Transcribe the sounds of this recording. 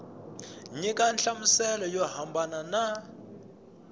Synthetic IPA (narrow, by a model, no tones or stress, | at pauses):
ɲikʼanɬamusɛlɔjɔɦambanana